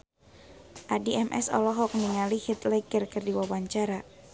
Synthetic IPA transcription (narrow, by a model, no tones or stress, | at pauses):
ʔadiʔɛmʔɛ̰sɔ̰lɔɦɔk̚niŋalihit̪lɛɡərkɨrdiwawaɲt͡ʃaɾa